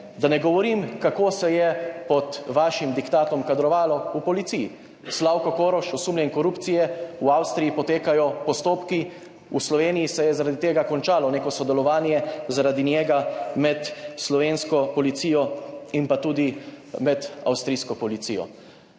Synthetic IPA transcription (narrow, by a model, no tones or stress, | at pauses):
d̪anɛɡɔʋɔɾimkakoːsɛjɛpɔt̪ʋaːʃimd̪ikt̪aːt̪ɔmkad̪ɾɔʋaːlɔupɔlit̪siji | slaːwkɔkoːɾɔʃɔsuːmlʲjɛnkɔɾuːpt̪sijɛuawst̪ɾijipɔt̪eːkajɔpɔst̪oːpki | uslɔʋeːnijisɛjɛzaɾaːd̪it̪eːɡakɔnt͡ʃaːlɔneːkɔsɔd̪ɛlɔʋaːnjɛzaɾaːd̪injɛːɡamɛt̪slɔʋenskɔpɔlit̪siːjɔinpat̪uːd̪i | mɛd̪a̰wst̪ɾijskɔpɔlit̪sḭjɔ̰